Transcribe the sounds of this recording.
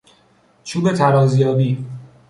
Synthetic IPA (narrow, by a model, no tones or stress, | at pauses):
t͡ʃʰuːbe̞t̪ʰæɾɒːzjɒːbiː